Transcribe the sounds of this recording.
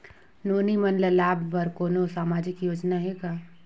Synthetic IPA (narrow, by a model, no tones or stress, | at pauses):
noːnimənləlaːbːəɾkoːnosaːmaːd͡ʒɪkjoːd͡ʒnaɦɛɡaː